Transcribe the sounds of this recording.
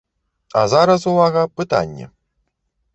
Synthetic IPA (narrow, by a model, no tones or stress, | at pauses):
azaɾɐs̬uvaɣɐpɨt̪a̰nʲːɛ̰